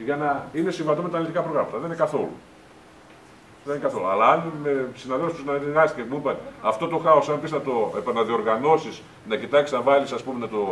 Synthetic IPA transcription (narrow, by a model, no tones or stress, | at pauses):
ʝɐnɐine̞siɱvɐt̪ome̞t̪ɐlit̪ikɐpɾoɣɾɐmɐt̪ɐðeninekɐθo̞lṵ | ðeninekɐθo̞̰luɐlɐɐnmesinɐðefosusnɐiɣɐst̪icemuipɐɾiɐft̪o̞t̪o̞xɐo̞sɐnpiznɐt̪o̞e̞pɐnɐðio̞ɾɣɐno̞sis | nɐcit̪ɐcsisnɐvɐlisɐspume̞nɐt̪o